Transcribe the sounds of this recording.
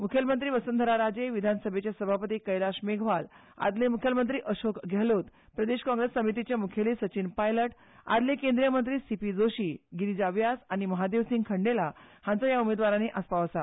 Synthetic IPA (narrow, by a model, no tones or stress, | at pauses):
mukʰjəlmənt̪ɾiːʋəsənd̪ʱəɾaɾad͡ʑeʋid̪ʱansəbʱet͡ɕjasəbʱapət̪iːkəjlaɕmeɡʱʋal | a̰d̪lemukʰjəlmənt̪ɾiːʔəɕokɡʱelot̪ | pɾəd̪eɕkɔ̃ŋɡɾesːəmit̪it͡ɕjamukʰelisət͡ɕiːnpajləʈ | a̰d̪lekẽnd̪ɾijəmənt̪ɾiːsipid͡zoɕiːɡiɾid͡ʑaʋjasañiməɦad̪eʋsiŋɡkʰəɳɖela | hãnt͡səjaumed̪ʋaɾãneʔaspaʋəsa